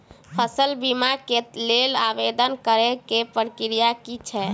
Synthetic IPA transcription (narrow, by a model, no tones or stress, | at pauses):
pʰəsəlbimakelelabed̪ənkəɾɛkepəɾkɾijakit͡ʃʰɛ